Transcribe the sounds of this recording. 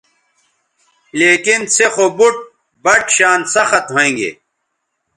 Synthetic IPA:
leːkinsexobuʈ̚ | bɐʈɕaːnsɐxɐt̪ɦoẽŋɡḛ

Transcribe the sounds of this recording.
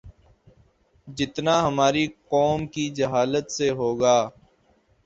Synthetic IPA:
d͡ʒɪt̪naɦɐmaːɾiqɔːmkid͡ʒɐɦaːlət̪seɦoːɡaː

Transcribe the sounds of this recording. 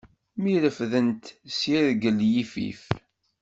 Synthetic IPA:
miləfðənt̪siɾɡəljifḭf

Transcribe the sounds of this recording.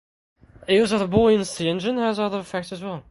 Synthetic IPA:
ɪzəðəbɔɪɨ̃nsiɛ̃nd͡ʒɨ̃nəzʌðə˞ɨfɛk̚tsɨzwɛlˠ

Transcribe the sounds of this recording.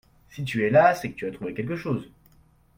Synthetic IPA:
sit̪̬yɛlasɛkə̥t̪yat̪χuvekʲɛlk̬əʃoːz

